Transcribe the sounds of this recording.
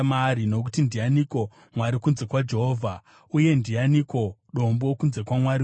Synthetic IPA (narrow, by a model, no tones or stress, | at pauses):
maɾino̞k̬u̥tindijaniko̞ | mwaɾikunze̞kwad͡ʒe̞ɦoːvʱa | uje̞ndijaniko̞ɗo̞mbo̞kunze̞kwamwaɾi